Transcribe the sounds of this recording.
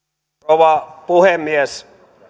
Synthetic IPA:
oʋɑpuhemːies

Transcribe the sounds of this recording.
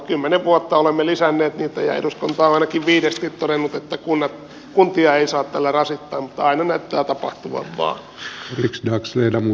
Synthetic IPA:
kymːeneʋʋuot̪ːɑolemːelisænːeːt̪niːt̪æjæ̰ḭduskont̪ɑːɑinɑkiʋʋiːdest̪it̪t̪odenːut̪et̪ːækunːɑt̪ | kunt̪iɑeisɑːt̪t̪ælːærɑsit̪ːɑːmmut̪ːɑɑinɑnæyt̪ːæːt̪ɑpɑ̰ht̪uʋɑ̰ʋʋɑ̰ːn | liksdɑksleinæmu

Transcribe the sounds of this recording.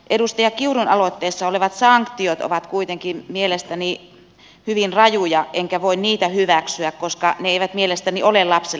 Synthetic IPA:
ʔedust̪ɑjɑkiurunɑlot̪ːeːsːɑoleʋɑt̪sɑŋkt̪iot̪o̰ʋɑt̪kuit̪eŋkimmielest̪æni | hyʋinrɑjujɑʔeŋkæʋoinniːt̪æhyʋæksyækkoskɑneeiʋæt̪mielest̪æniolelɑpse

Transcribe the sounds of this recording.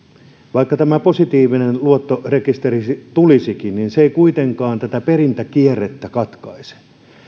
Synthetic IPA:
ʋɑikːɑt̪æmæposit̪iːʋinenluot̪ːorekist̪erisit̪ulisikinninseikuit̪eŋkɑːnt̪æt̪æperint̪ækieret̪ːækɑt̪kɑise̥

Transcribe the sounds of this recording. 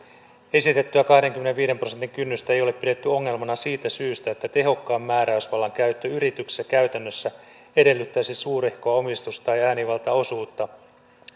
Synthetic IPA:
e̞sit̪et̪ːyækɑhde̞ŋkymːeneʋʋiːɾe̞mprosent̪iŋkynːyst̪æejo̞le̞ppide̞t̪ːyo̞ŋːe̞lmɑnɑsiːt̪æsyːst̪æet̪ːæt̪e̞ɦo̞kːɑːmːæːɾæysʋɑlːɑŋkæyt̪ːøyɾit̪ykse̥sːækæɥt̪ænːøsːæ | e̞de̞lːyt̪ːæːsisuːɾehkoɑo̞mist̪ust̪ɑjæːniʋɑlt̪ɑo̞suːt̪ːɑ

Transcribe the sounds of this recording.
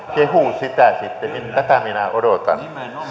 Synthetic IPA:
kehusit̪æsit̪ːenint̪æt̪æminæodot̪ɑ̰nː

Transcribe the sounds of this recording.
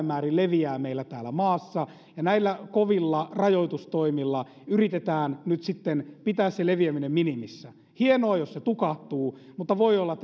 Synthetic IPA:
mːæːrilleʋiæːmeilːæt̪æːlæmɑːsːɑ | jɑnæilːækoʋilːɑrɑjoit̪ust̪oimilːɑ | yrit̪et̪æːnnyt̪sit̪ːenpit̪æːsseleʋiæminemminimisːæ | hienoɑjosset̪ukɑht̪uːmut̪ːɑʋoiolːɑt̪

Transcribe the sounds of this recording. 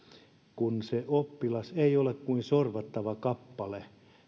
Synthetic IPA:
kunseʔopːilɑseiolekkuinsorʋɑt̪ːɑʋɑkɑpːɑle

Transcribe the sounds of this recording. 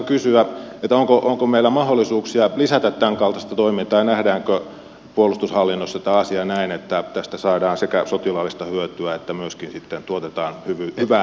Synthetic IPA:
kysyæet̪æoŋkoʔoŋkomeilːˑæmɑholːˑisuːksiɑlisæt̪æt̪t̪æŋkɑlt̪ɑst̪ɑt̪oimint̪ɑːjɑnæhdæːŋkø | puolust̪ushɑlːinːosːɑt̪æɑsiɑnæinet̪ːæt̪æst̪æsɑːdɑːnsekæsot̪ilɑːlːist̪ɑhyøt̪yæet̪ːæmyøskinsit̪ːent̪uot̪et̪ɑːnhyʋyhyʋæ

